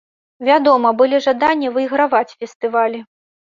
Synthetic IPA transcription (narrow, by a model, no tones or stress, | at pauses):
vʲad̪ɔmɐbɨlʲiʐad̪anʲːivɨjiɣɾavat͡sʲfʲɛst̪ɨvalʲi